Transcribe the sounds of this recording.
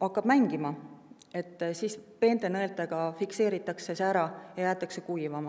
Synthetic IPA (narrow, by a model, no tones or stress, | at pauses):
ɑkːɑb̥mæŋɡ̥imɑ | e̞t̪ːˑsiːspe̞ːnd̪enɤelt̪ˑeɡ̥ɑfikse̞ːɾit̪ːˑɑksesæɾɑjɑjæːt̪ːˑɑksekujvɑmɑ